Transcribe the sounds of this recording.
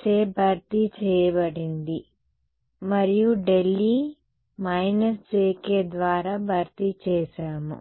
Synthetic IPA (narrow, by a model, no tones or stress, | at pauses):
t͡ʃeːbʱɐɾt̪it͡ʃɛːjɐbɐɽind̪i | mɐɾijuɖe̞lːi | mɐjnɐsd͡ʒeːkeːd̪ʋaːɾaːbʱɐɾt̪it͡ʃɛːʃaːmṵ